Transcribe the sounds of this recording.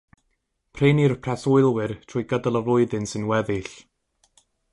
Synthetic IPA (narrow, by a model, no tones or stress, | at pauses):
pʰreːnirpʰrɛsʊɨlˠwɪrtʰrʊːɨɡədəlˠəvlˠʊɨðɨnsɨnwɛðɨɬ